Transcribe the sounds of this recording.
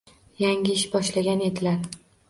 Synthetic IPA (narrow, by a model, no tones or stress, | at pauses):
jaŋɪɪʃbɒʃlaɡʲane̞d̪ɪlaɾ